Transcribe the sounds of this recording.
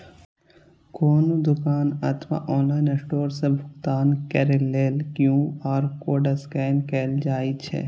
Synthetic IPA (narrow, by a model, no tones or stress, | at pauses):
koːnõd̪ʊkaːnɐt̪ʰʋa̰ʔɔːnlaːɪnesʈoːɾsebʱʊkt̪aːnkeɾeleːlkjũɔːɾkoːɖəskɛːnkɛːld͡ʒaːit͡ʃʰɛ̰